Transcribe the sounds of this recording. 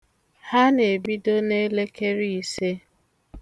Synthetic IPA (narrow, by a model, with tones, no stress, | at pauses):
ha˦ne˨bi˦do˦ne˦le˦ke˦ɾi˦i˦˨se˦